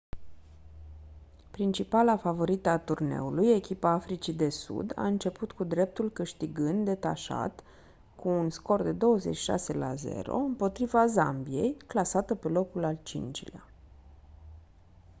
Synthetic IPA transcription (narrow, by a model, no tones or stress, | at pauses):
pɾint͡ʃipalafavo̞ɾit̪əat̪urne̞̰uluje̞kʲipaafɾit͡ʃid̪e̞sṵd̪a̰ɨnt͡ʃe̞put̪kud̪ɾe̞p̚t̪ulkɨʃt̪iɡɨnd̪̚d̪e̞t̪a̰ʃa̰t̪ | kʰuːnsko̞rd̪e̞d̪o̞wəze̞̰t͡ʃːi̥ʃa̰se̞la̰ze̞̰ɾo̞̰ɨmpo̞t̪ɾivaza̰mbije̞̰jklasat̪əpe̞lo̞kulalt͡ʃḭnt͡ʃilea